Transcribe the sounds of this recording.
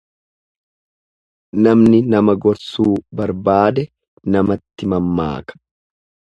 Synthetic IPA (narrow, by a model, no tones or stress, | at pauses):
nɐmnɪnɐmɐɡɔɾsuːbɐɾbaːd̪ɛ | nɐmɐt̪ːɪmɐmːa̰ːkɐ̥